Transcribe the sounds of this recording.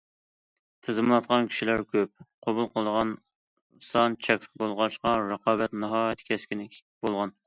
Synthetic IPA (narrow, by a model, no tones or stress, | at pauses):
t̪ʰɨzɨmlˠɑt̪̚qʰɑnkʲʰi̥ʃilæɾkʲʰøp̚qʰobulˠqʰəlˠəʁɑn | sɑnt͡ʃʰɛkʲbolˠʁɑʃqɑɾəqɑːbɛt̪nɨɦɑːjt̪ʰkʲʰɛskʲinɪbolˠʁɑn